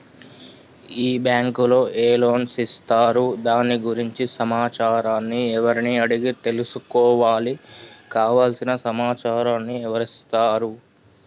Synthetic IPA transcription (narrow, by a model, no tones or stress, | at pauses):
iːbjaːŋkulo̞ːʔeːlo̞ːnsist̪aːɾud̪aːnːiɡuɾiɲt͡ʃisɐmaːt͡ʃaːɾaːnːiɛʋɐɾiniɐɽiɡit̪e̞lusukɔːʋaːlikaːʋaːlsinɐsɐmaːt͡ʃaːɾaːnːiɛʋɐɾist̪aːɾu